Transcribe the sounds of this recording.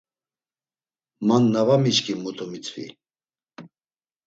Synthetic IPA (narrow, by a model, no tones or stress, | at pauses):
manːavamit͡ʃkʰʼimut̪ʰʼumit͡sʰʼvḭ